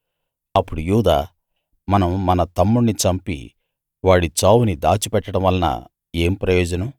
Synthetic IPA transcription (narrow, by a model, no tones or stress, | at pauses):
ɐpːuɽujuːd̪aː | mɐnɐmːɐnɐt̪ɐmːuɽnit͡ʃɐmpḭ | ʋaːɽit͡ʃaːwunid̪a̰ːt͡ʃipɛʈːɐɽɐmʋɐlnɐ̰ | e̞ːmpɾɐjɔːd͡ʒɐnɐm